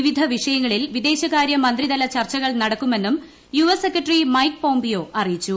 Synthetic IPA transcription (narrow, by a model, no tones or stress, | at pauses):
ʋid̪ʱɐʋiʂɐjɐŋːɐɭilʋid̪e̞ːɕɐɣaːɾjɐmɐnd̪rid̪ɐlɐt͡ɕɐrt͡ɕːɐɣɐɭnɐɽɐkːume̞nːum | juʋɐsekːɐʈːrimɐjkpo̞ːmbijo̞ːʔɐrijit͡ɕːu